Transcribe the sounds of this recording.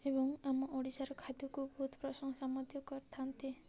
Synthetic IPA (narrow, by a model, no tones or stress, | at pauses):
ebɔŋamɔʔoɽisaɾɔkʰad̪ukubɔɦut̪ʰpɾɔsɔŋɔsamɔd̪jɔkɔɾt̪ʰant̪i